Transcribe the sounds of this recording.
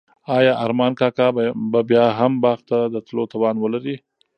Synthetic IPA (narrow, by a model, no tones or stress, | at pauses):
ɑjɑʔaɾmɑnkɑkɑbabjɑɦambɑɣt̪ad̪ət̪lot̪awɑnwəlaɾi